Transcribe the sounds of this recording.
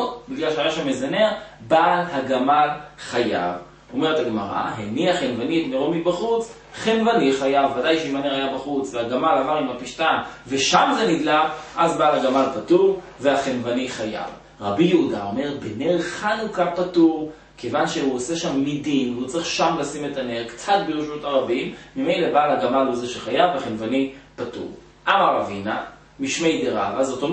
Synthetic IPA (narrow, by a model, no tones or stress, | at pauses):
biɡlalʃeajaʃamːezaneʁbalɦaɡamalχaja̰v | o̞me̞ʁetaɡmaʁa̰ɦeniaχenvanitmeʁomibaχut͡s | χenvaniχajavːadajʃeimaneʁajabaχut͡sveaɡamalavaʁimapiʃtanve̞ʃamzenidlaʁʔazbaːlhaɡamalpatuʁ | veaχenvaniχaja̰v | ʁabijeudaome̞ʁbeneʁχanukapatuʁ | kʰevanʃeuoseʃamːidinvut͡siχʃamlasime̞tane̞ʁkt͡sat̚beʁoʃmutaʁabimːime̞jle̞balaɡamalozeʃeχajaveaχenvanipatṵʁ | ʔamaʁavina | miʃmejdeʁa̰vazot̪o